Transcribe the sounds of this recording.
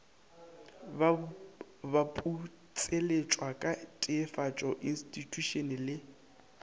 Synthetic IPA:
bapʼu | t͡sʼelet͡ʃʼwakʼatʼɪːfat͡ʃʼɔʔinstʼitʼuʃɔnɛlɪ

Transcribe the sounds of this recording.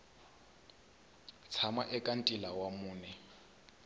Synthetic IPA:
t͡sʰamaʔɛkʼan̩tʼilawamuːnɛ

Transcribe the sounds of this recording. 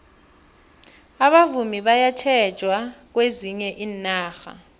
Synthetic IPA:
aɓavumiɓajat͡ʃʰɛd̥ʒ̥ʱwak̬weziɲɛʔiːnaːxa̰

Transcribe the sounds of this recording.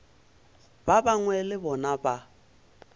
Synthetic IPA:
babaŋwɛlɪbɔnaba

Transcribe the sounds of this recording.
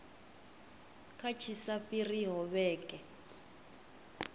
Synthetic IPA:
kʰat͡ʃʰisafiriɦɔβɛːkʼɛ

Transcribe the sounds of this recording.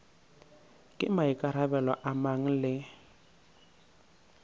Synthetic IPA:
kʼɪ̰maikʼaɾabɛlɔ̰ʔamaŋ̩lɪ

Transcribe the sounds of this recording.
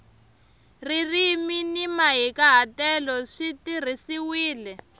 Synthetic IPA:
ririminimaɦikaɦatɛlɔʂitir̤isiwiːlɛ

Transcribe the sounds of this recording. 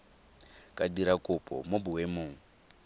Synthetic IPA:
kʼaɗiɾakopɔ̰mobuwemoːŋ̩

